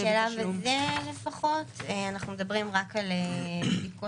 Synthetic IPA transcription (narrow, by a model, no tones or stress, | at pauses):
elavezelefaχo̞teanaχnumed̪ɐbʁimʁakalebdiko